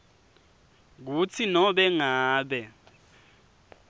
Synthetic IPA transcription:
k̬ut͡sʰinɔɓɛŋaːɓɛ

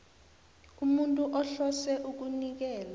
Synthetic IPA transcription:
umuntʼuʔɔɬɔsɛʔuk̬unik̬ɛːla

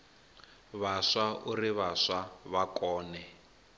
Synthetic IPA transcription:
βaʂauriβaʂaβakɔːnɛ

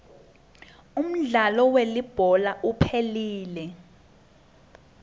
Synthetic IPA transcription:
um̩ɮalɔwelib̥ʱɔlaʔupʰeliːlɛ

